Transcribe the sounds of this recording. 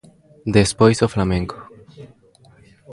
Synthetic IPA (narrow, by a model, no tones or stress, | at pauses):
d̪espojsoflamẽŋko̥